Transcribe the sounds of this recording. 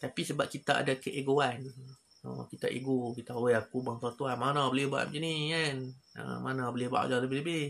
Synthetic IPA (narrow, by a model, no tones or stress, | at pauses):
t̪apisəbap̚kit̪aa̰dakəʔeɡoan | ə̰kit̪a̰ʔḛɡokit̪aaweakubaŋsat̪uanmanãbəlɪhba̰ʔmd͡ʒənikanə̰manabəlɪhba̰ʔlaləbɪhləbɪh